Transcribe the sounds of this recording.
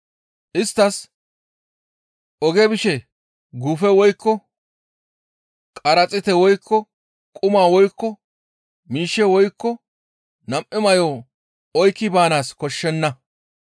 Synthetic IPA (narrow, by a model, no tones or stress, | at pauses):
ʔɪst̪ːɐs | ʔɔɡɛbɪʃɛ | ɡʊfɛwɔjkːɔ | kʼɐɾɐt͡sʼɪt̪ɛwɔjkʰːɔ | kʼʊmaːwɔjkːɔ | miːʃːɛwɔjkːɔ | nɐmʔɪmɐjɔː | ɔjkːɪbaːnaːskɔʃːɛnːɐ